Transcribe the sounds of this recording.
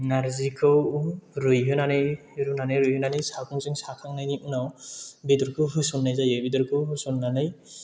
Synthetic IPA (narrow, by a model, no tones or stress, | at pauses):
naɾzikʰɯwɾɯjɦɯnanɯj | ɾunanɯjɾɯjhɯnanɯjsakuŋzɯŋsakʰaŋnajniʔɯnawbidɔɾkʰɯɦɯsɔnːajzajɯbidɔɾkʰɯwɦɯsɔnːanɯj